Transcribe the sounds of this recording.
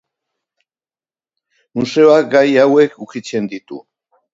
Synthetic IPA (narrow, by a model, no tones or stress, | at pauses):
muse̞oak̚ɡajawe̞kukit͡se̞nd̪it̪ṵ